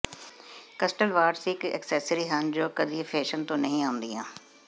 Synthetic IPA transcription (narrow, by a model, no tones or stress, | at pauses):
kəsʈəlʋaːɾsɪkɛ̰ksɛːsəɾiːɦənd͡ʒoːkəd̪ifʰɛːʃənt̪õːnəɦĩaːʊ̃nd̪iːãː